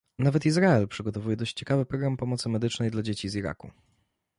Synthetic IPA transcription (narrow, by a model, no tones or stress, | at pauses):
navɛt̪izɾaɛlpʂɘɡɔt̪ɔvujɛd̪ɔɕt͡ɕt͡ɕːɛkavɘpɾɔɡɾampɔmɔt̪sɘmɛd̪ɘt͡ʂnɛjd̪lad͡ʑet͡ɕiziɾa̰kṵ